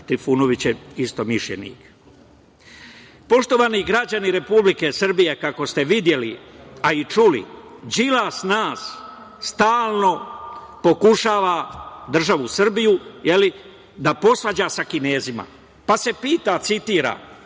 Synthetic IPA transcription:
t̪ɾifuːno̞ʋit͡ɕeist̪o̞miʃʎḛnḭːk | po̞ʃt̪o̞ʋaːniɡɾad͡ʑaniɾe̞publike̞srbije̞kako̞st̪e̞ʋid̪je̞liait͡ʃulḭ | d͡ʑilasnaːsː | t̪aːlˠno̞po̞kuʃaːʋad̪r̩ʒaʋusr̩bijujeli | d̪apo̞sʋad͡ʑasakine̞ːzima̰ | pase̞piːt̪at̪sit̪iːɾa̰ː

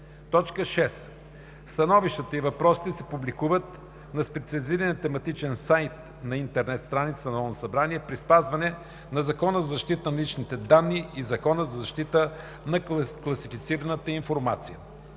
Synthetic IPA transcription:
t̪ɔt͡ʃkəʃɛs | st̪ɐnɔviʃt̪ət̪əivɐpɾɔsi̥t̪ɛsɛpublikuvət̪ | nɐspɛt̪siɐlʲiziɾənət̪ɛmɐt̪it͡ʃɛnsajt̪ | nɐint̪ɛɾnɛt̪st̪ɾanit̪sənɐɔnosɐbɾaniɛpɾispazvɐnɛ | nɐzɐkɔnəzɐzɐʃt̪it̪ənɐlit͡ʃnit̪ɛd̪anːiizɐkɔnəzɐzɐʃt̪it̪ə | nɐklˠɐsifit̪siɾənət̪əiɱfoɾmat̪sijə̰

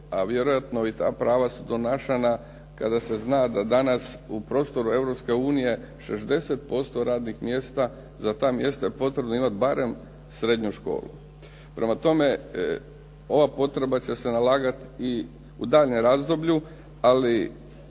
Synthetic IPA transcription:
aʋje̞ɾojat̪no̞it̪a̰ːpɾaːʋasud̪o̞naʃena | kad̪ase̞znaːd̪ad̪anasupɾo̞ːst̪o̞ɾue̞vɾo̞pske̞uːnije̞ | ʃe̞zd̪e̞set̪̚po̞st̪o̞ɾaːd̪nixmje̞st̪a | zat̪aːmje̞st̪ajepo̞t̪ɾebno̞imat̪̚baɾe̞m | sɾe̞d̪ɲuʃko̞̰ːlṵ | pɾʔe̞mat̪o̞me̞ | o̞ʋapo̞t̪ɾe̞bat͡ɕe̞se̞nalaːɡat̪i | ud̪aːʎɲemɾazd̪o̞bʎu | ali

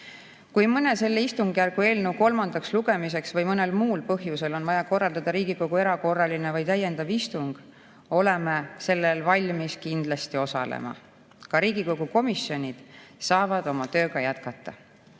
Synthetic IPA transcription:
kujmɤne̞se̞lːeist̪uŋɡ̥jærɡ̥ue̞ːlnewko̞lmɑnd̪̥ɑksluɡ̥e̞mis̬e̞ksvɤjmɤne̞lmuːlpɤɦjuse̞lo̞nvɑjɑko̞rːɑld̪̥ɑd̪̥ɑɾiːɡ̥iko̞ɡ̥ue̞ɾɑko̞rːɑlinevɑjt̪æje̞nd̪̥ɑvist̪uŋɡ̥ | o̞le̞mese̞lːelvɑlʲmiskind̪̥lɑst̪io̞sɑ̰lḛmɑ̰ | kɑɾiːɡ̥ikoɡuko̞misio̞nʲid̪̥sɑːvɑd̪̥o̞mɑt̪ø̞ːɡ̥ɑjæt̪kɑt̪ːˑɑ

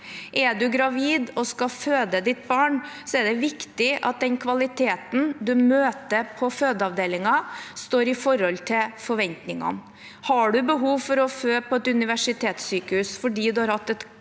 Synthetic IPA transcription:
ʔɛɖʉɡɾɑʋiːd̪ɔskɑføːd̪əd̪ɪt̪̚bɑːɳsɔɛɖɛʋɪkt̪ɪʔɑ̰t̪̚d̪ɛnkʰʋɑlɪt̪ʰeːt̪n̩d̪ʉmøːt̪əpʰɔføːd̪əɑʋd̪eːlɪŋɑst̪oːɾɪfɔɾɔlt̪ʰɪlfɔɾʋɛnt̪nɪŋɑ̰n | hɑɖʉbəɦuːʋfɔɾɔføːpʰɔɛt̪ʉnɪʋæʂɪt̪ʰeːt̪syːkəhʉːsfɔɖiːd̪ʉhɑɾhɑt̪ːɛt̪

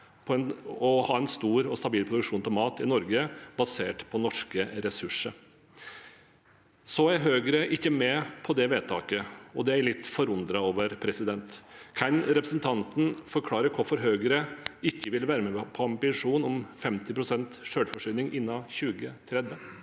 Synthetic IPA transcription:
pʰɔɛnɔhɑːɛnst̪uːɾɔst̪ɑbiːlpʰɾʊd̪ʉkʂuːnt̪ɛlmɑːt̪ɪnɔɾɡəbɑseːʈpʰɔnɔʂkəɾɛsʉʂə | sɔæɾɦøːɡəɾəʔɪçːəmɛpʰɔd̪ɛʋeːt̪ʰɑ̰ːkəɔd̪ɛæɾɭɪt̪ːfɔɾʊnd̪ɾɑoːʋəɾpʰɾɛsɪd̪ɛnt̪kʰɑnɾɛpɾəsn̩t̪ʰɑnt̪n̩fɔɾkʰlɑːɾəɾkʰʊɾfɔɾɦøːɡəɾəɪçːəʋɪlʋæːɾəmɛpʰɔɑmbɪʂuːnɔmfɛmt̪ɪpʰɾʊsɛnt̪ʂøːlfɔʂyːnɪŋʔɪnːɑçʉːɡət̪ʰɾɛd̪ʋə

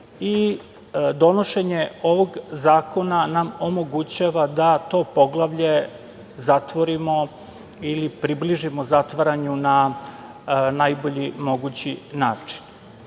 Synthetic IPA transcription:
i | d̪o̞noʃe̞ɲeo̞ʋoɡzaːko̞nanamomo̞ɡut͡ɕaːʋad̪at̪o̞ːpo̞ɡlˠaʋʎe̞ | zat̪ʋo̞ɾimo̞ | ilipɾibliʒimo̞zat̪ʋaɾaɲuna | najbo̞ʎimo̞ɡut͡ɕinaːt͡ʂi̥n

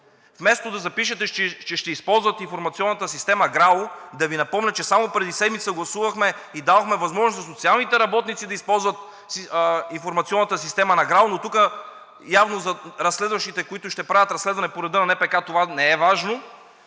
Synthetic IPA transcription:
fmɛst̪od̪ɐzɐpiʃɛt̪ɛɛt͡ʃɛʃt̪ɛispɔlˠzvət̪infoɾmɐt̪siɔnːɐt̪əsist̪ɛmɐɡɾalʊd̪ɐvinɐpɔmnʲət͡ʃɛsamopɾɛd̪isɛd̪mit̪səɡlˠɐsuvɐxmɛid̪avɐxmɛvɐzmɔʒnosnɐs̬ot̪sialˠnit̪ɛɾɐbɔt̪nit̪sid̪ɐispɔlˠzvɐt̪ | infoɾmɐt̪siɔnːɐt̪əsist̪ɛmɐnɐɡɾalˠnot̪ukə | javnozɐɾɐsːlɛd̪vɐʃt̪it̪ɛkoit̪ʊʃt̪ɛpɾavʲət̪ɾɐsːlɛd̪vɐnɛpoɾɛd̪ənɐnɛpɛkat̪ovanɛɛvaʒno

